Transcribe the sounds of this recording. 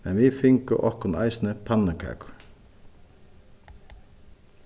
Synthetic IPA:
mɛnʋifɪŋkʊʔɔhkʊna̰ɪsnəpʰanːəkʰa̰ːkʊ̥

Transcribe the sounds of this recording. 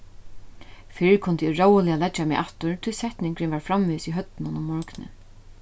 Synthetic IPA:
fɪkʰʊnt̪ɪɪɹowəlɪalɛt͡ʃːamɛʔaft̪ʊɹt̪ʰɪlsɛht̪nɪŋkɾɪnvaɹfɾamviːsiɦœt̪ːnʊnʊmmɔɹknɪ̰

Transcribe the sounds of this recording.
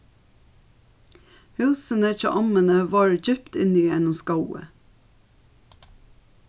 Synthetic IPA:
hʉːsənəɪçə̰ʔɑmənəʋɑːɹd͡ʒʏpt̪ɪniɛnʊskɑʊə̰

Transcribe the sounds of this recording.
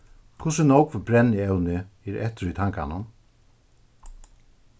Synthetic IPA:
kʰʊsɪnowkvbɾɛnːɪɛwnɪɛɾɛ̰ht̪ɪɾit̪ʰaŋka̰nʊm

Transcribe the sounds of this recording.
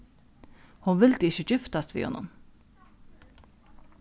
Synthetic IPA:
hʊnʋɪld̪əɪçəçɪft̪ast̪ʋḭːhɔ̰nːɔ̰m

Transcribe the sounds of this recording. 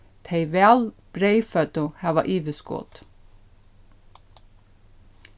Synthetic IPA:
t̪ʰeɪʋælb̥ɾeɪfœt̪ʊhæːʋɑ̰ʔiːʋəsko̰ːt̪

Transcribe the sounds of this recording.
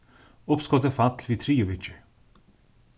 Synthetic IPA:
ʊpskɔt̪əfat̪ʰlʋiːt̪ʰɾiːʊʋɪt͡ʃ

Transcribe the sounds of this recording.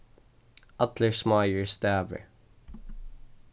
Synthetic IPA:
ɐt̪ləɹsmaɪəɹst̪æːvə̰ɹ

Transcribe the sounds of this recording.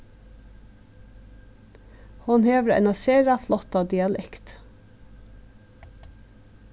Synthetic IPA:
hʊnheːʋɾɑɛ̰nɑseːɾɑflɔt̪ɑd̪ɪɑlɛkt̪

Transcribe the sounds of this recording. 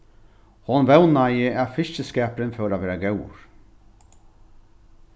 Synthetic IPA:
hɔnvɛwnajɪæfɪʃt͡ʃəskɛːpɾɪnfœwɾaʋɛːɾaɡɛw̰ɹ

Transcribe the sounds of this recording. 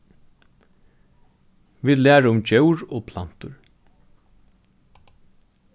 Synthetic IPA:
viːd̪læːɹaʊmt͡ɕœwɹoːpʰlan̥t̪ʊɹ

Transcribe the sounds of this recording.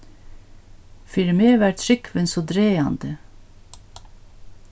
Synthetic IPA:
fɪɾmeːʋæːt̪ʰɾɪkʰʋənsoːd̪ɾeːɑnd̪ə

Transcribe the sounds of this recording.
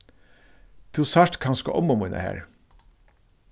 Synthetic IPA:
t̪ʰuːsɑɾʈkʰɑnskɔ̰ʔɔmʊmunə̰hæ̰ːɹ

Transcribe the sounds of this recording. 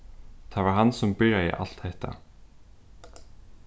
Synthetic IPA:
θʰavaɾɦansʊmpɪɾjaɪ̰ʔa̰l̥t̪haht̪a̰

